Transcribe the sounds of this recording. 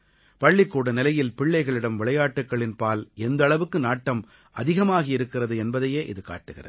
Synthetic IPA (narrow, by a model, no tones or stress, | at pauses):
pɐɭːɪkːuːɽɐnɪlɐjɪlpɪɭːɐɪɣɐɭɪɽɐmʋɪɭɐjaːʈːɯkːɐɭɪnpaːlɛnd̪ɐɭɐʋɯkːɯnaːʈːɐm | ʔɐ̰ðɪɣɐmaːɣɐɪɾɯkːɪrɐðɯɛnbɐðɐjeːʔɪ̰ðɯka̰ːʈːɯɣɪrɐ̰ð